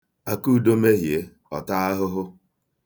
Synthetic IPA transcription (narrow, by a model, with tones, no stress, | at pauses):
a˨ku˦˨do˦me˦ɦje˦ | ɔ˨ta˦a˦ɦʊ˦ɦʊ˦